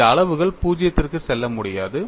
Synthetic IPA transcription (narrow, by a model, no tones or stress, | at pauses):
ɐːɐɭɐʋɯɣɐɭpuːd͡ʒɪjɐt̪ːɪrkɯsɛlːɐmʊɽɪjaːðɯ